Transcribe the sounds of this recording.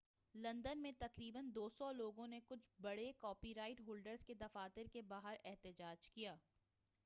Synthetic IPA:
lɐ̃nd̪ənmẽt̪ɐqɾiːbənd̪oːsɔloːɡõnekʊt͡ʃʰbɐɽekɔːpiɾaːɪʈɦoːlɖəɾzked̪ɐfaːt̪ɪɾkebaːɦəɾɛɦt̪ɪd͡ʒaːd͡ʒkijaː

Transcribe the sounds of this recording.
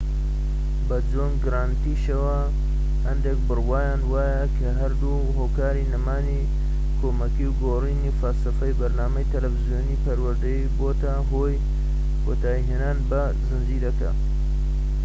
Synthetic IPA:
bɐd͡zoːnɡɨɾaːnt̪iːʃɐwɐ | hɐnd̪ek̚bɨrwaːjaːnwaːjɐkʰɐɦɐɾd̪u | ɦoːkaːɾiːnɐmaːni | kʰoːmɐkiwɡoriːnifɐlsɐfɐjbɐɾnaːmɐjt̪ʰɐlɐfzijoːniːpɐɾwɐɾd̪ɐjiboːt̪ɐɦoːj | kʰoːt̪ʰaːiɦeːnaːnbɐ | zɨnd͡ʒiːd̪ɐkɐ̰

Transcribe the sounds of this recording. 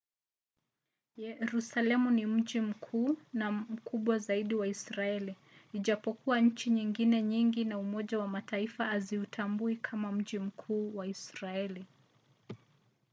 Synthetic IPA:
jɛɾusalɛmunim̩ʄim̩kʰuːnam̩kuɓwazaiɗiwaisɾaɛli | iʄapɔkuwaɲ̩t͡ʃiɲiŋɡinɛɲiŋɡinaumɔʄawamataifaːziutʰambuikʰamam̩ʄim̩kʰuːwaisɾaɛli

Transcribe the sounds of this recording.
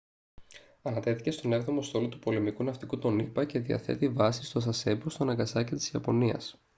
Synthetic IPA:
ɐnɐt̪e̞θi̥ce̞st̪o̞ne̞vðo̞mo̞st̪o̞lo̞t̪u̥po̞le̞mikunɐft̪ikut̪o̞nipɐce̞ðiɐ̰θe̞̰t̪ivɐsist̪o̞sɐse̞bost̪onɐŋɡɐsɐcit̪i̥ziɐpo̞niɐ̰s

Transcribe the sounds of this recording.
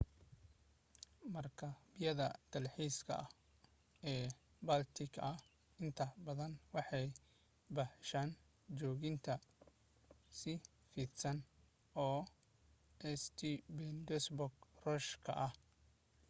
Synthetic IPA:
mɐrkʰɐbɪjɐðɐd̪̥ɐlħiːskʰɐ̰ | ɛː | bɐlt̪ʰɪkʰɐ | ɪnt̪ʰɐbɐðɐnwɑħɑj | bɐħʃaːn | t͡ʃɔːɣɪnt̪ʰɐ | sɪ | fiːt̪sɐn | ɔː | ɛst̪ʰibɛnd̪ɛsbɔɡrɔːʃkʰɐ̰ʔɐh

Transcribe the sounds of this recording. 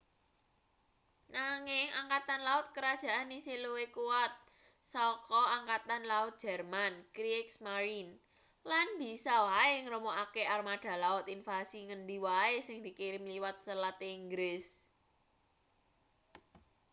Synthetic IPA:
naŋɪŋaŋkat̪anlaʊt̪̚kəɾad̥ʒ̥a̤ʔanisiluwekuat̪̚ | sɔkɔaŋkat̪anlaʊt̪̚d̥ʒ̥ɛ̤rmankɾiksmaɾin | lanb̥i̤sɔwaeŋɾomoʔakearmaɖ̥a̤laʊt̪infasiŋənɖiwaesɪŋd̪i̤kiɾɪmliwat̪̚səlat̪iŋɡɾɪs

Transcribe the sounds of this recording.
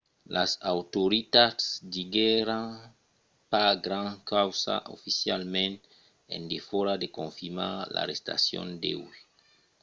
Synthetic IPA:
lʔasawt̪oɾit̪atsdiɡɛɾãŋ | paɡɾãŋkawsa̰ʔofisjalmẽnt̪ | ḛ̃nd̪efoɾad̪ekõɱfiɾmala̰ɾest̪a̰sjõ̰nd̪ḛwi

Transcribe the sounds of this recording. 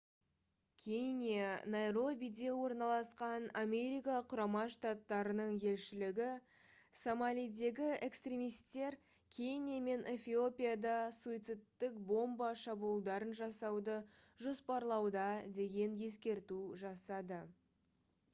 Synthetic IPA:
kʲʰejnʲijanɑjɾo̞bʲijd̪e̞wo̞ɾnɑlˠɑsqɑnamʲe̞ɾijkɑqʰʊɾɑmɑʃt̪at̪ːɑɾənəɴje̞lʃɪlɪɡʲɪ | somɑlʲijd̪e̞ɡʲɪe̞kst̪ɾʲe̞mijst̪e̞ɾ | kʲʰe̞jnijame̞nʔe̞fʲio̞pʲijad̪ɑsuit̪sɪt̪ːɪkbo̞mbɑʃɑbulˠd̪ɑɾənʒɑsɑwd̪əʒo̞spɑɾlˠɑwd̪ɑd̪e̞ɡʲe̞nje̞skʲe̞ɾt̪uʒɑsɑd̪ə

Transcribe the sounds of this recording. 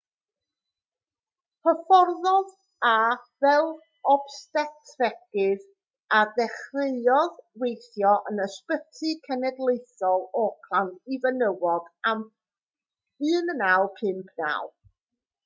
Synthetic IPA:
pʰəfɔrðɔð | avɛlˠ | ɔb̥stɛtʰrɛɡ̥ɨð | adɛχrɪɨɔðwejθjɔʔənəspətʰɨkʰɛnɛdlˠejθɔlˠɔkʰlˠantivənəwɔd̥am | ɨːnənawˠpʰɨnpʰna̰wb̥

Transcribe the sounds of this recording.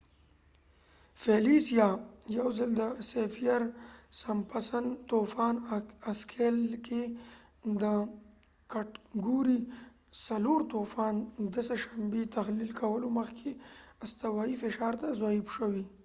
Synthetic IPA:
felisijɑjawzəld̪əsefijaɾsampasant̪ofɑnaskʰelke | d̪ə | kaʈɡuɾi | saloɾt̪ofɑnd̪əsaʃambet̪axlilkʰawəloməxkʰeast̪awɑifɪʃɑːɾt̪azaibʃəwi

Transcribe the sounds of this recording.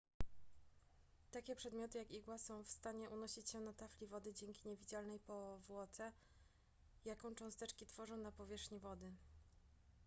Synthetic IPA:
t̪akʲɛpʂɛd̪mʲjɔt̪ɘjakiɡwasɔ̃w̃fst̪aɲɛʔunɔɕit͡ɕɕɛnat̪aflʲivɔd̪ɘd͡ʑɛŋkʲiɲɛvʲid͡ʑalnɛjpɔvwɔt̪sɛ | jakɔ̃w̃t͡ʂɔ̃w̃st̪ɛt͡ʂkʲit̪fɔʐɔ̃w̃napɔvʲjɛʂxɲivɔd̪ɘ

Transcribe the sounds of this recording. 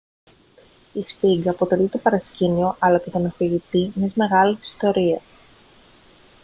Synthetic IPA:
ispiɡɐpo̞t̪e̞lit̪o̞pɐɾɐscinio̞ʔɐlɐce̞t̪onɐfiʝit̪iɲezme̞ɣɐlisi̥st̪o̞ɾies

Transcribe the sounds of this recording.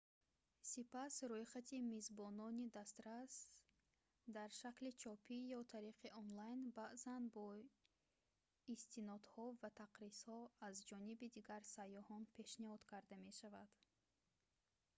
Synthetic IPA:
sipasɾɔjχat̪ʰimezbɔnɔnid̪ast̪ɾas | d̪aɾʃaklit͡ʃʰɔpʰijɔt̪ʰaɾiqʰiʔɔnlajnbaʔzanbɔ | ist̪inɔd̪hɔvat̪ʰaqɾishɔazd͡ʒɔnibid̪iɡaɾsajɔhɔnpʰe̞ʃnihɔd̪̥kʰaɾd̪ame̞ʃavad̪̥

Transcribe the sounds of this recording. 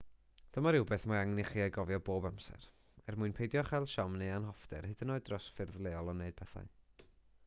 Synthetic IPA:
d̥əmaɾɪwbeːθmaaŋniχiːajɡɔvjɔboːbamsɛ̰ɾ | ɛrmuɨnpʰejdjɔχɛlˠʃɔmneanɦɔfdɛrhɨd̥ənoːɨdrɔsfɪrðlˠeːɔlˠɔneɨd̥̚pʰɛθa̰ɨ

